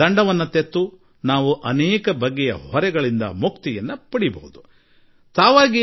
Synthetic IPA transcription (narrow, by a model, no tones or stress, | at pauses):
ɐɳɖɐʋɐnːɐt̪et̪ːu | naːʋuʔɐnɛːkɐbɐɡːɛjɐ̰hɔɾɛɡɐɭind̪ɐ̰mukt̪ijɐnːupɐɽibɐ̰ɦud̪u | t̪aːʋaːɡi